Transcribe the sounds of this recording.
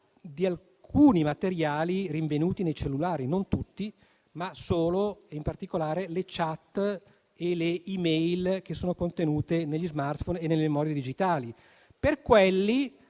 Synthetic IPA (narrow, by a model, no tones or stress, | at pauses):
d̪ial | kʰuːnimat̪eɾjaːliriɱvenuːt̪inejt͡ʃelːulaːɾinont̪ut̪ːi | masoːloeimpart̪ikolaːɾelet͡ʃat̪ː | eleimɛjlk̟esːoːnokont̪enuːt̪eneʎːizmart̪fonenːelːememɔːɾjed̪id͡ʒit̪aːli | perkwelːi